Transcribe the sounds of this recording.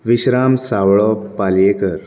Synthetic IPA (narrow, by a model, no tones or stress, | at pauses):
ʋiɕɾamsawɭɔpaljekəɾ